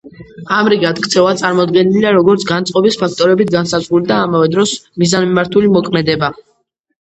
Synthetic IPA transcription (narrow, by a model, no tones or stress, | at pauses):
amɾiɡat̪kʰt̪sʰɛvat̪sʼaɾmɔd̪ɡɛniliaɾɔɡɔɾt̪sʰɡant̪sʼqʼɔbispʰak̚ʰt̪ʼɔɾɛbit̪̚ʰɡansazʁulid̪aːmavɛd̪ɾɔsmizanmimaɾt̪ʰulimɔkʰmɛd̪ɛba